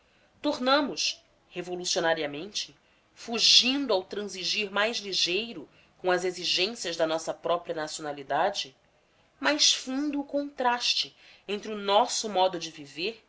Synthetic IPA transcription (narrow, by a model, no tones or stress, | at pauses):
t̪oɾnɐ̃mʊʃ | hevolusionaɾiɐmẽnt͡ʃɪ̥ | fuʒĩnd̪ʊawt̪ɾɐ̃ziʒiɾmajzliʒejɾʊ | kõɐzeziʒẽsijɐzd̪ɐnɔsɐpɾɔpɾiɐnasionalid̪ad͡ʒɪ | majʃfũnd̪ʊːkõnt̪ɾaʃt͡ʃɪẽnt̪ɾɪʊnɔsʊmɔd̪ʊd͡ʒɪviveɾ